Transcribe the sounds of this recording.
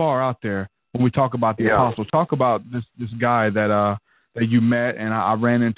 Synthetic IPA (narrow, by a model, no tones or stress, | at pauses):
ɑɹaʊt̪̚ðə˞ | wə̃nwitʰɔkəbaʊt̪̚ðiɨpʰɑstl̩ˠtʰɔkəbaʊt̪̚ðɪsðɪsɡ̥aɪðɨtʌ | ðɨt͡ʃɨmɛɾɨ̃naɪʔa̰ɪɹæ̃nɪ̃ntʰ